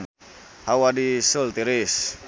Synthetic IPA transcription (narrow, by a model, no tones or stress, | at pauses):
hawadisult̪iɾis